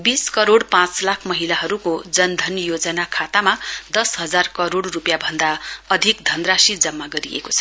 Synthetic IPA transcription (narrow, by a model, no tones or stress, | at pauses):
biskʌɾoɽpãt͡slakʰmʌɦilaɦʌɾukod͡zʌnd̪ʱʌnjod͡zʌnakʰat̪amad̪ʌsɦʌd͡zarkʌɾoɽrupjabʱʌnd̪aʌd̪ʱikd̪ʱʌnrasid͡zʌmːaɡʌɾḭḛko̥t͡sʰʌ